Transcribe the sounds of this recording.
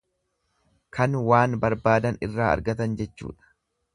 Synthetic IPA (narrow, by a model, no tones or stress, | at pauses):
kɐnwaːnbɐɾbaːd̪ɐnɪ̰rːaːɐ̰ɾɡɐt̪ɐnd͡ʒɛt͡ʃːṵːᶑɐ̥